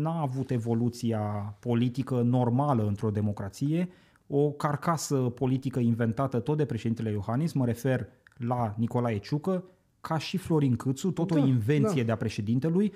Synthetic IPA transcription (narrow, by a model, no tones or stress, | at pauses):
naːvut̪e̞vo̞lut̪siapo̞lit̪ikəno̞rmaləɨnt̪ɾo̞d̪e̞mo̞kɾat̪sije̞ | o̞karkasəpo̞lit̪ikəinve̞nt̪at̪ət̪ot̪̚d̪e̞pɾe̞ʃed̪int̪e̞lejo̞hanisməɾe̞fe̞rlaniko̞laet͡ʃukə | kʰaʃiflo̞ɾiŋkɨt̪sut̪o̞t̪o̞inve̞nt̪sije̞d̪eapɾe̞ʃe̞d̪int̪e̞luj